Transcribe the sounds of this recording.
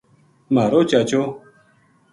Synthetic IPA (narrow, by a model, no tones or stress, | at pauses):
maːɾoːt͡ʃaːt͡ʃoː